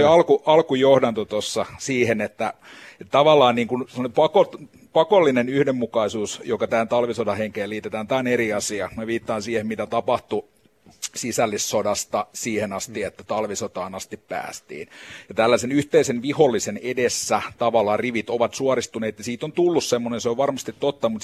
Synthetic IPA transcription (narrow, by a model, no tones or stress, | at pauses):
oiɑlkuʔɑlkujohdɑnt̪ot̪osːɑsiːhenet̪ːæet̪t̪ɑʋɑlːˑɑːnniːŋkunsemːɑnempɑkot̪ | pɑkolːinenyhdemmukɑisuːsjokɑt̪æːnt̪ɑlʋisodɑheŋkeːliːt̪et̪æːnt̪æːoneɾiɑsiɑkmeʋiːt̪ːɑːnsiːhemmit̪æt̪ɑpɑht̪u | sisælːisːodɑst̪ɑsiːhenɑst̪iet̪ːæt̪ɑlʋisot̪ɑːnɑst̪ippæ̰ːst̪ḭːnjɑt̪ælːæsenyht̪eisenʋiholːisenedesːæt̪ɑʋɑlːˑɑːriʋit̪oʋɑt̪suɑrist̪uneːt̪jɑsiːt̪ont̪ulːussemːonenseoʋʋɑrmɑst̪it̪tot̪ːɑmut̪